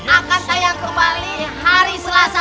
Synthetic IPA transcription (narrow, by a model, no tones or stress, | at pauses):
nakat̪ajaŋkəmbalihaɾisəlasa